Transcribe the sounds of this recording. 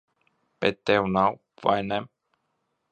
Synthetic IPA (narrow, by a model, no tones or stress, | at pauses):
pet̪ɛwnaw | va̰jnɛm